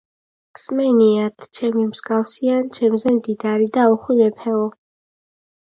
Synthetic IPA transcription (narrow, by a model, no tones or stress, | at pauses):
ksmɛniat̪ʰt͡ʃʰɛmimsɡafsiant͡ʃʰɛmzɛmd̪id̪aɾid̪aɔχwinɛpʰɛɔ